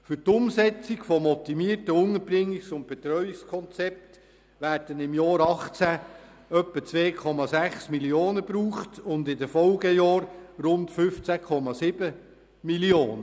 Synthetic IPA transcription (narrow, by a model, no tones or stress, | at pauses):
fʏɾtʊmsɛt͡sikfɔmɔt̪ːimiəɾtəʊnəb̥ɾɪŋːiksʊnt̚b̥ɛt̪ɾœʏɪkskʰɔnt͡sɛp̚t | ʋæːɾd̥ənɪmjɑːɾɑχt͡sæ | œpːət͡sʋeːkʰɔmɑsæχsmiljoːnəbɾuːχtʊndɪdəfɔlɡəjɑːɾɾʊntfʏft͡sækʰɔmɑsɪb̥ə | milioːnə